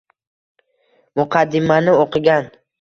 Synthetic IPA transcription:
mʊqʰɑd̪ːɪmanɪoqʰɨɡʲan

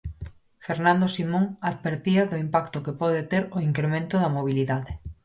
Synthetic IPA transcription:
feɾnãnd̪osimõŋaðβeɾt̪iaðoimpakt̪okepɔðet̪eɾoiŋkɾemẽnt̪oðɐmoβ̞iliðaðe

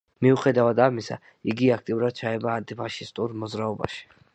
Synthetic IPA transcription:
miuχɛd̪avad̪amisa̰ | iɡiak̚ʰt̪ʼiuɾad̪̥̚t͡ʃʰaɛbaːnt̪ʼipʰaʃist̪ʼuɾmɔd̪zɾaɔba̰ʃi̥

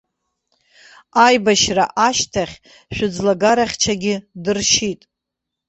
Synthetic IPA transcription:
ajbaʃra̰ʔaʃtʰaχʲ | ʃᶣʊd͡zlaɡaɾaχʲt͡ʃʰaɡʲɪdɨrʃitʼ

